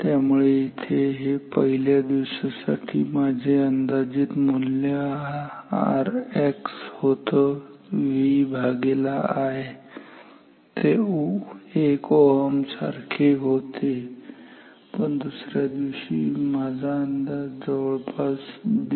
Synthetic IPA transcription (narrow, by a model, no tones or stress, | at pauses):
t̪jamuɭeit̪ʰeɦepəɦiljad̪iʋɕasa̰ʈʰḭːmad͡ʑʱeənd̪ad͡ʑiːt̪mulja | a̰ɾekshot̪əʋibʱaɡelaaɦe | t̪ʰe | ekɔɦəmsa̰ɾkʰeɦot̪e | pəɳd̪usɾjad̪iʋɕḭːmad͡zʱaːnd̪ad͡zəʋəɭpʰasd̪